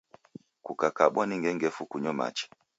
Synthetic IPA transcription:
kukakaɓwaniŋɡɛŋɡɛfukuɲɔma̰t͡ʃɛ̥

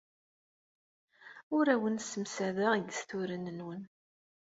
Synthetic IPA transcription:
ʊɾæwənsəmsæðəʁiɡəsθʊɾənənwən

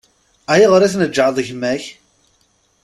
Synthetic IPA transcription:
æjiʁəɾæθnəd͡ʒːʕəðˤəçmæç

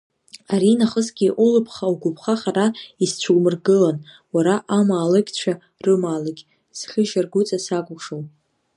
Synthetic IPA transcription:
aɾinaχəsɡʲiʔʊlɨpʰχawɡʷʊpʰχaχaraist͡ɕʷʰuwmɨrɡɨlan | waɾaʔamaːlɨkʲʼt͡ɕʷʰa | rɨmaːlaɡʲ | z̥χʲɪʒarɡʷʊt͡sʼasakʷʼʂowʼ

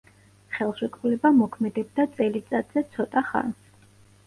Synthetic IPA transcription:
χɛlˠʃɛkʼvulɛbamɔkʰmɛd̪ɛb̚d̪at̪sʼɛlit̪sʼat̪ʼzɛt̪sʰɔt̪ʼaχa̰ns

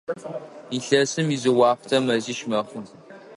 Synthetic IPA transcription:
iɬɐsɨmizɨwɑːftʰɐmɐziʃmɐχʷə

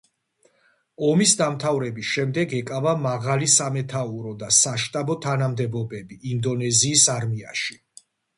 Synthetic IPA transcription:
ɔmisd̪amt̪ʰavɾɛbisʃɛmd̪ɛɡɛkʼavamaʁalisamɛt̪ʰauɾɔd̪asaʃt̪ʼabɔt̪ʰanamd̪ɛbɔbɛbiʔːnd̪ɔnɛziːsaɾmiaʃi̥

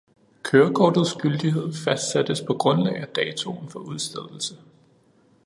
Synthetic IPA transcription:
kʰøːɐkʰɒːd̥ð̩ˠsɡ̥yld̥iɦe̝ð̞̰ˠfæsd̥sæd̥əspʰɒ̽ɡ̥ʁɔ̽nlɛ̰ɪæd̥ɛːt͡sʰo̝nfɒ̽uðˠsd̥eðˠl̩sə

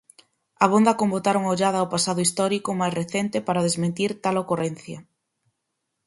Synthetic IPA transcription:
ɐβ̞ond̪ɐkombot̪aɾuŋaoʎaðɐːwpasaðʊist̪ɔɾikomajsreθent̪epaɾɐð̞ezmẽnt̪iɾt̪alokoren̟θjɐ

